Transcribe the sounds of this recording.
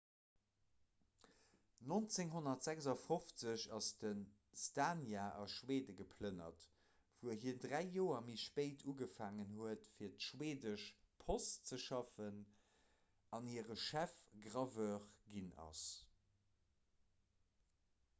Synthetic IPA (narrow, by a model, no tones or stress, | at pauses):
nont͡seŋɦonɐtz̥ækzɑfoft͡səɕɑsd̥ən | staːnjaʔɑ̰ʃweːdəɡəpʰlənɐ̰t | v̥uəɦiəndʁæɪjoːɐmiʃpeɪtʰuɡəfaːŋənhuətfiːɐtʃweːdəʃpʰost͡səʃɑfən | ɑniəʁəʃæfɡʁɑvœːʁɡinɑ̰s